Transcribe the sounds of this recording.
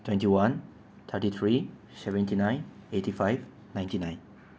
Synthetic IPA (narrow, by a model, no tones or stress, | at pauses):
tʰwɛ̃ntiwãn | t̪ʰətit̪ʰɹi | sɛvə̃ntinãj̃netifajv | nãj̃ntinãj̃n